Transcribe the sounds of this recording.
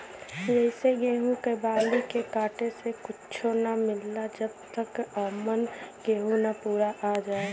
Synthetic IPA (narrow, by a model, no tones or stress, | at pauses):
jɛɪseɡeːɦũkebãːd̪ikekaːʈesekʊt͡ʃʰonamɪlːad͡ʒəb̚t̪əkɔːmənɡeːɦũnapuːɾaʔad͡ʒaːe